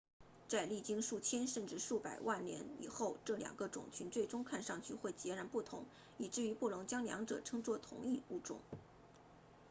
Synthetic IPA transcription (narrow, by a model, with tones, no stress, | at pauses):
t͡sa˥˧ɪli˥˩t͡ɕi˥ŋʂu˥˩t͡ɕʰjɛ˥nʂə˥˧nʈ͡ʂɻ̩˥˧ʂu˥˩pa˨˩ɪwʔa˥˩nljɛ̰˧˥nḭ˨˩xo˥˧ʊʈ͡ʂɤ˥˩ljɑ̰˨˩ŋɡə˧˦ʈ͡ʂʊ̰˨˩ŋt͡ɕʰy˧˥nt͡swe˥˩ɪʈ͡ʂʊ˥ŋkʰa˥˧nʂɑ˥˧ŋt͡ɕʰy˥˧xwe˥˩ɪt͡ɕjɛ˧˥ɻa˧˥npu˥˩t̪ʰʊ̰˧˥ŋ | i˨˩ʈ͡ʂɻ̩˥˩y˧˥pu˥˩lʊ˧˥ŋt͡ɕjɑ˥ŋljɑ̰˧˥ŋʈ͡ʂɤ̰˨˩ʈ͡ʂʰɤ˥ŋt͡swɔ˥t̪ʰʊ̰˧˥ŋi˥˧u˥˩ʈ͡ʂʊ̰˥˩˦ŋ